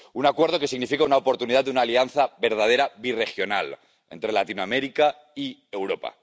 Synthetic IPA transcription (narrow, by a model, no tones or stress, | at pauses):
unakwe̞ɾð̞o̞ke̞siɣnifikaunaopo̞ɾt̪unið̞aðunaːlianθabe̞ɾð̞að̞e̞ɾaβire̞xjo̞na̰l | e̞̰nt̪ɾe̞lat̪inoameɾika | iewɾo̞pa̰